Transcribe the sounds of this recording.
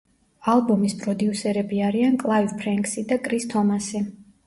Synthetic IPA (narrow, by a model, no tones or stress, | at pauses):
alˠbumispʼɾɔd̪iusɛɾɛbiaɾiankʼlˠaivpʰɾɛŋkʼsid̪akʼɾist̪ʰɔmasi